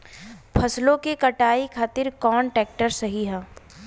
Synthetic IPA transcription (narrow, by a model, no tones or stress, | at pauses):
pʰɐslõkekɐʈaːikʰaːt̪ɪɾkɔːnʈɛːk̚ʈəɾsɐɦiɦɛ̃ː